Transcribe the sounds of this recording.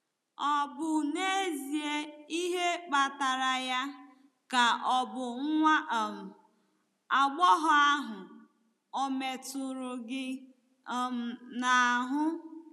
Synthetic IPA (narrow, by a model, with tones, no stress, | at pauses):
ɔ˨bʊ˨ne˦zi˨e˦i˦ɦe˦k͡pa˨ta˨ɾa˨ja˦ | ka˨ɔ˨bʊ˨ŋ̩˦ŋʷa˦ʔm̩˨ | a˨ɡ͡bɔ˦ɦɔ˨a˦ɦʊ˨ | o˨me˨tʊ˨ɾʊ˨ɡɪ˦˨ | m̩˨na˨ɦʊ˦